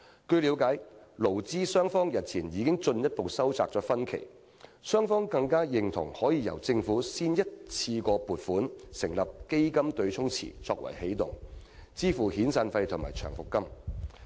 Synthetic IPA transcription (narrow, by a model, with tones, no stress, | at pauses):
kɵ˧ɥli˨˧˥wkaː˨˥jlo˨˩wt͡siː˥sœː˥ŋfɔː˥ŋjɐ˨t̚t͡sʰiː˨˩njiː˨˧kɪ˥ŋt͡sɵ˧njɐ˥t̚po˨wsɐ˥wt͡saː˧k̚t͡sɔː˨˥kfɐ˥nkʰe˨˩j | sœː˥ŋfɔː˥ŋkɐ˧ŋkaː˥jɪ˨ŋt̪ʰʊ̰˨˩ŋhɔː˨˥jiː˨˧jɐ̰˨˩wt͡sɪ˧ŋfuː˨˥siː˥njɐ˥t̚t͡sʰiː˧kɔː˧puː˨˩t̚fuː˨˥nsɪ˨˩ŋlɐ˨p̚ke˥jkɐ˥mt̪ɵ˧ɥt͡sʰʊ˥ŋt͡sʰḭː˨˩t͡sɔ̰ː˧k̚wɐ̰˨˩jhe˨˥jt̪ʊ̰˨˩ŋ | t͡siː˥fuː˨˩hiː˨˥nsaː˧nfɐ˧jt̪ʰʊ˨˩maː˨˩t͡ʃʰœ̰ː˨˩ŋfʊ˨kːɐ˥m